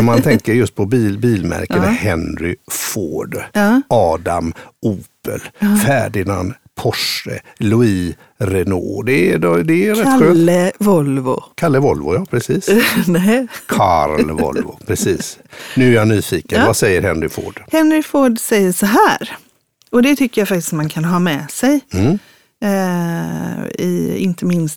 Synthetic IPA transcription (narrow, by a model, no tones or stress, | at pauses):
mant̪ʰɛŋkəɾjɵst̪̚pʰɔbibiːlmæ̰ɾkəmhɛnɾɪfoːɖɑːd̪amʔuːpə̰lfæːɖɪna̰n | pʰɔʂə̰ | lʊiː | ɾɛno̰ːd̪ɛdd̪ɛæɾɛt̪ɧøːnvɔlvʊ̰kʰalːəvɔlvʊjapʰɾɛsiːsnɛkʰaɾlvɔ̰lvʊpʰɾɛsiːsnʉæɾjanyːfiːkənvasɛjːəɾhɛnɾɪfo̰ːɖ̥hɛnɾɪfoːɖsɛjːəʂɔɦæːɾ | ɔd̪ɛt̪ʰʏkːəɾjafak̚t̪ɪ̥st̪mankʰanɦɑːmɛːsɛj̩ | ɪ̰ɪ̰nt̪əmɪnst̪